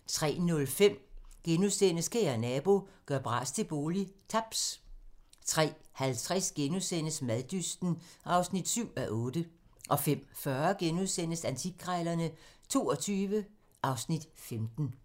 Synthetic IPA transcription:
t͡sʰʁɛ̰ːnɔ̽lfem̰ɡ̥enuðˠsen̰əskʰeːænɛb̥o̝ɡ̥ɶɐb̥ʁɑ̰̈ːst͡sʰe̝b̥o̝ːlit͡sʰɑb̥s | t͡sʰʁɛ̰ːhælt͡sʰʁɛsɡ̥enusen̰əsmæðˠd̥ysd̥n̩ʔɑ̈ʊsnid̥syʊ̰æʔɔ̽ːd̥əʔɒ̽fem̰fɶɐɡ̥enuðˠsen̰əsænt͡sʰiɡ̥̚ʰʁɑɪlɐnət͡sʰo̝ːɒ̽t͡sʰyːʋə | ʔɑ̈ʊsnid̥femd̥n̩

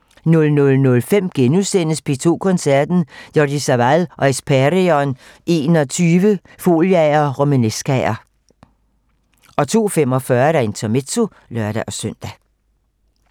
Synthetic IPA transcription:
nɔlnɔ̽lnɔ̽lfem̰ɡ̥enusen̰əspʰe̝t͡sʰo̝̰ːkʰɔ̽nsæɐ̰d̥n̩jɒd̥isæʋælʔɒ̽espʰæʁiɒn | e̝̰ːnɒ̽t͡sʰyːʋə | fo̝̰ljɛɐʁomænesɡ̥æɐ | ʔɒ̽t͡sʰo̝̰ːfem̰ɒ̽fɶɐd̥æe̝nt͡sʰɒme̝t͡sʰo̝ | lɶɐɾ̥æʔɒ̽søn̰d̥æ

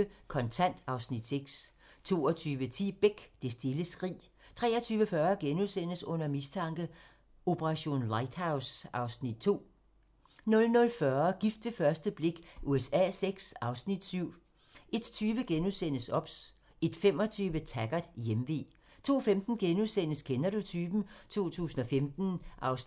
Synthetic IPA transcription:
əkʰɒ̽nt͡sʰæn̰d̥ɑ̈ʊsnid̥seɡ̥s | t͡sʰo̝̰ːɒt͡sʰyːʋət͡sʰḭːb̥eɡ̥d̥e̝sd̥e̝ləsɡ̥ʁḭːt͡sʰʁɛ̰ːɐt͡sʰyːʋəfɶɐɡ̥enusen̰əsɔ̽n̰ɐmist͡sʰɑ̈ŋ̰ɡ̥ə | o̝pʰəʁɑ̈ɕo̝̰ːnlɑ̈ɪd̥hɑ̈ʊsʔɑ̈ʊsnid̥̚t͡sʰo̝̰ː | nɔ̽lnɔ̽lfɶɐɡ̥ifd̥ʋe̝fɶɐsd̥əb̥le̝ɡ̥ʔuesɛ̰ːseɡ̥sɑ̈ʊsnid̥syʊ̰ | e̝d̥t͡sʰyːʋəɡ̥enuðˠsenəsɒ̽b̥s | e̝d̥fem̰ɒ̽t͡sʰyːʋət͡sʰæɡ̥ɐdjemʋe̝̰ː | t͡sʰo̝̰ːfemd̥n̩ɡ̥enuðˠsen̰əskʰenæd̥o̝t͡sʰyːb̥n̩t͡sʰo̝̰ːt͡sʰṵːsn̩ɒ̽femd̥n̩ʔɑʊs

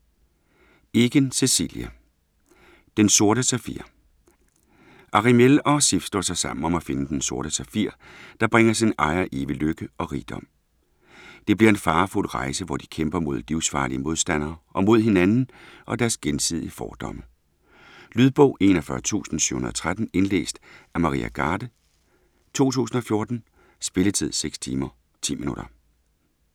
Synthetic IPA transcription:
e̝ɡ̥ənse̝sḭljæ | d̥enso̝ɐɾəsæfḭɐ̰ | ʔɑ̈ʁimelɒ̽sifsd̥ɔ̰sɑɪsɑ̈m̰n̩ɒ̽mæfe̝nəd̥enso̝ɐɾ̥əsæfiɐ̰d̥ɑ̈b̥ʁeŋɐsinʔɑ̈ɪɐʔe̝ːʋiløɡ̥əɒ̽ʁiːd̥ɒ̽m̰ | d̥e̝b̥liɐe̝nfɑ̈ːfulʁɑ̈ɪsəʋɒd̥i̥kʰemb̥ɐmo̝ð̞̰ˠliʊsfɑ̰̈ːliəmo̝ð̞ˠsd̥æn̰ɐːʔɒ̽mo̝ð̞̰ˠɦe̝nænn̩ʔɒ̽d̥æɐsɡ̥ensið̞̰ˠiəfɒːd̥ɒ̽mə | lyð̞ˠb̥ɔʊ̰ʔe̝̰ːnɒfɶːɐt͡sʰṵːsn̩sy̰ʊhunɐð̩ˠɒ̽t͡sʰʁad̥n̩e̝nlḛːsd̥æmɑ̈ʁḭːʔæ̰ɡ̥ɑ̈ːd̥ə | t͡sʰo̝̰ːt͡sʰṵːsn̩ɒ̽fjo̝ɐd̥n̩ | sb̥e̝lət͡sʰið̞̰ˠseɡ̥st͡sʰḭːmɐ | t͡sʰḭːminuɾ̥ɐ

